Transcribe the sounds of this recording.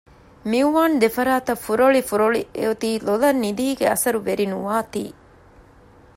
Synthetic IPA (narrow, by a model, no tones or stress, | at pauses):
miuʋaːnd̪efɐɾaːt̪ɐfuɾoɭifuɾoɭiḛot̪iːlolɐnːid̪iːɡeɐsɐɾuʋeɾinuʋaːt̪ḭː